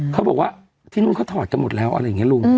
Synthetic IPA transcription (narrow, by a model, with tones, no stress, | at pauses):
kʰa˦˥wbɔː˨˩k̚waː˧˥˩ | t̪ʰiː˧˩nu˧˥ŋkʰaː˧˥˩t̪ʰɔː˨˩t̪̚t͡ɕa˧mo˨˩t̪̚lɛː˦˥˩wʔa̰˧ɾa˧˨˩ŋi˦˥˦lu˧˩ŋ